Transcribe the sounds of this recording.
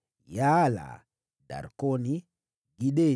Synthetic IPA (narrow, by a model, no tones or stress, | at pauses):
jala̰ | da̰ɾkɔni | ɡiɗe